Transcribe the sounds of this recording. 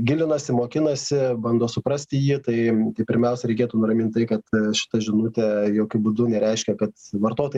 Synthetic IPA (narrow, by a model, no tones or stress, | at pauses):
ɡʲɪlʲɪnɐsʲɪmoːkʲɪnɐsʲɪbɐnd̪oːsʊpɾɐsʲt̪ʲɪjiːt̪ɐɪt̪ɐɪpʲɪɾʲmʲɛʊsʲɛɾʲɛɪkʲeːt̪unʊrɐmʲɪnt̪t̪ɐɪkɐt̪ʃʲɪ̥t̪ɐʒʲɪnut̪ʲɛjoːkʲʊbud̪ʊnʲɛɾʲɛɪʃʲkʲɛkɐt̪ʋɐrt̪oːt̪oː